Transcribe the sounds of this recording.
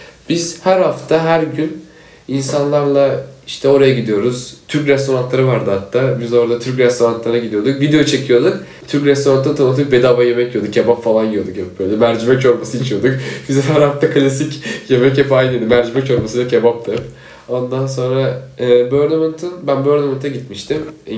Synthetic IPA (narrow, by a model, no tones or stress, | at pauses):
b̥iz̥hæɾhaft̪ʰaɦæɾɟyn | insanlˠaɾlˠaiʃt̪ʰɛo̞ɾajaɟid̪ijo̞ɾuz̥t̪ʰyɾcɾɛst̪ʰo̞ɾant̪lˠaɾɯvaɾd̪ɯhat̪ʰːaːbizd̪oɾad̪at̪ʰyɾc̬ɾɛst̪ʰo̞ɾant̪lˠaɾaɟid̪ijo̞d̪ukvid̪ejot͡ʃʰe̞cʰijo̞d̪uk | t̪ʰyɾkɾɛst̪o̞ɾant̪ɯt̪ʰanɯt̪̬ʰɯk̚bed̪abajemɛcjod̪ukcʰːebapfalˠanjijod̪ukhɛp̚b̥øjlʲɛmæɾd͡ʒimɛcjo̞ɾmasɯit͡ʃʰijo̞d̪ukbizɛfæɾhat̪ʰːakʰɯlʲasicjemɛcɛpajnɯd̪ɯmæɾd͡ʒimɛcjo̞ɾmasɯlacʰebap̚t̪ʰap | o̞nd̪ans̬o̞nɾaːbøɾlʲemɛnt̪ʰɯnbænbøɾlʲemɛnt̪ʰɛɟit̪miʃt̪ʰim